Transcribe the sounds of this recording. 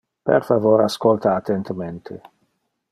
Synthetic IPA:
pḛrfavoːɾaskɔlt̪aːt̪ːent̪ament̪ʰe

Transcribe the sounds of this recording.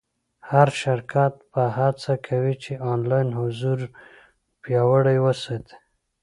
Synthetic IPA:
haɾʃaɾkʰat̪pəɦat͡sakʰawit͡ʃeɑnlɑjnhʊzuɾ | pjɑwəɽajwəsɑt̪ʰe̥

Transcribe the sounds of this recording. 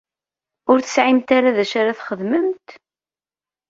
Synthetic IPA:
ʊɾθə̥sʕimt̪aɾaðæʃaɾaθχəðməmt̪

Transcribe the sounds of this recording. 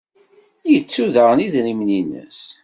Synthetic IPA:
jət͡sːuðəʁniðɾimninə̰s

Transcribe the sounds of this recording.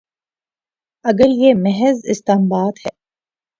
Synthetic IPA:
ɐɡəɾjemɛɦɛzɪ̰st̪aːmbaːt̪hɛː

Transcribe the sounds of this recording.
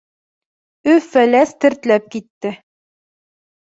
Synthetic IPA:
ɵfælæst̪ɘ̆ɾt̪læp̚kit̪ːɘ

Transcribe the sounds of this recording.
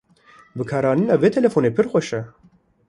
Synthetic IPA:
bɨkʰɑːɾɑːninɑːveːt̪ʰɛlɛfoːneːpʰɨɾxʷɛʃɛ

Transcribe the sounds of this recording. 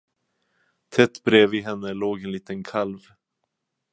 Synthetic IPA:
t̪ʰɛt̪ːbɾeːvɪɦɛnːəloːɡɛnliːt̪ənkʰalv

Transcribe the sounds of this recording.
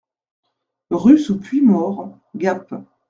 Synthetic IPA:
ʁysupɥimɔʁ | ɡap

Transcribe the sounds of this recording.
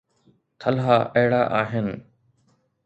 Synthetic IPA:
t̪ʰəlɦaːʔəːɽaːʔaːɦɪn

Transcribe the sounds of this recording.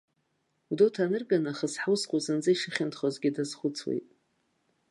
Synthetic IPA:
wudowtʰanɨrɡanaχəsħawsqʷʼuzɨnd͡zɨiʂaχʲɪntʰχozɡʲɪdazχʷʊt͡sʰwḛjtʼ

